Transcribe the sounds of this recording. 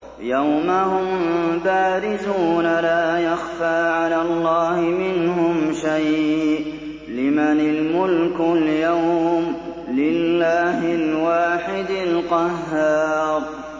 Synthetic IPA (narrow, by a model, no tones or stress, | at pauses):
jawmahʊmbaːɾɪzuːnalaːjaxfaːʕalaːlˤːɑːhɪmɪnhʊmʃajʔ | lɪmanɪlmʊlkʊljawm | lɪlːaːɦɪlwaːħɪd̪ɪlqɑɦːɑːɾˤ